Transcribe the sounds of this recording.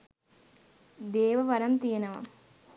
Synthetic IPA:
d̪eːʋɐʋɐɾɐmt̪ijɐnɐʋɐ̰

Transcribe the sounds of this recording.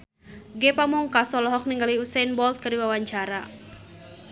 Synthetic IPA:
ɡɛpamuŋkasɔlɔɦɔk̚niŋɡaliusajnbɔlt̪̚kəɾiwawaɲt͡ʃaɾa

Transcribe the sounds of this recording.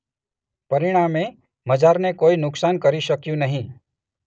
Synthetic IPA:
pɐɾɪɽ̃aːmẽ | məd͡ʒaːɾnekoːinʊksaːnkəɾiʃəkjũnɐɦĩ

